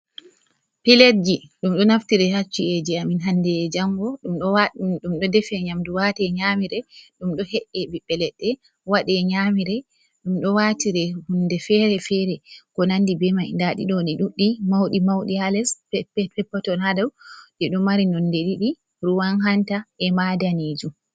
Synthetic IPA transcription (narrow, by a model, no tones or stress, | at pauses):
piled͡ʒiɗumɗɔnaftiɾɛhat͡ʃːied͡ʒiaminɦandɛd͡ʒaŋɡɔɗumɗaɗumɗɔdɛfɛɲamduwatɛɲamiɾɛɗumɗɔhɛʔːɛbiɓːɛlɛɗːɛ | waɗɛɲamiɾɛ | ɗumɗɔwatiɾɛhundɛfɛɾɛfɛɾɛkɔnandibɛmajndaɗḭɗɔniɗuɗːimawɗimawɗialɛsɛpɛpːɔtɔladawdɛɗumaɾinɔnːdeɗiɗi | ɾuwanɦantaʔɛmadanid͡ʒum